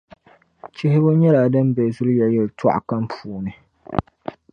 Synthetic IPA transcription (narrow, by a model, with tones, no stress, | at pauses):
t͡ʃɪ˦ɦɪ˦bʊ˦ɲɛ˦laː˨dɨ˦mbɛ˨zʊ˦ljɛ˨jɛ˨ltʰa̰˦ʔa̰˨ka˦mpuː˨nɨ˨